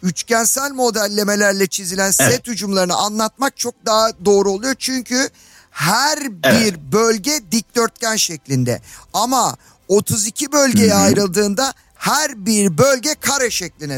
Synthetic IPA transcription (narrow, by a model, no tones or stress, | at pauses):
yt͡ʃcænsælʲmo̞d̪ælʲːe̞me̞lʲæɾlʲɛt͡ʃʰizilʲænsɛt̪hyd͡ʒumlˠaɾɯnɯʔanlˠat̪̚mak̚t͡ʃʰo̞k̚d̪aɦad̪o̞ːɾuo̞lˠujoɾt͡ʃʰyɲcʰy | hæɾbiɾbølʲɟɛd̪ic̚d̪ø̞ɾt̪̚cænʃɛclʲind̪ɛ̰ama | o̞t̪ʰuzicʰibø̞lʲɟe̞jɛajɾɯlˠd̪ɯːnd̪a | hæɾbiɾbølʲɟɛkʰaɾaʃɛclʲinɛ